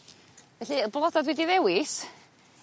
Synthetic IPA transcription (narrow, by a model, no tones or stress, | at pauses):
vɛɬiblˠɔdadwɛdiðɛwɪs